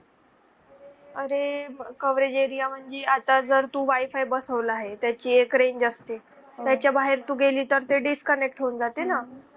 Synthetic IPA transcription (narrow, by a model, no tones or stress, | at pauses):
əɾekəʋɾed͡ʑeɾijam̤əɳd͡zeat̪ad͡zəɾt̪uːʋajfajbəsəʋlaɦet̪jat͡ɕiːekɾend͡ʑəst̪e | jat͡ɕjabaɦeɾt̪uːɡeliːt̪əɾt̪eɖiskənek̚ʈɦoːnd͡zat̪ena